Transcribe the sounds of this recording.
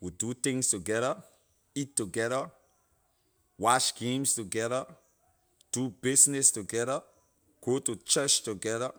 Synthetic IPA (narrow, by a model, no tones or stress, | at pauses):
widut̪ɪ̃ŋstuɡɛðə | itːuɡɛðə | wat͡ʃɡ̥ẽmstuɡɛðə | d̥ubɪsnɛstuɡɛðə | ɡ̥otut͡ʃɜt͡ʃtuɡɛðə